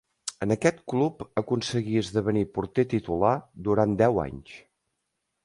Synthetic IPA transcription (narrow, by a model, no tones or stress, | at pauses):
ənəkɛt̪klupəkunsəɣiəzðəβənipuɾt̪et̪it̪ulad̪uɾand̪ɛwa̰ɲs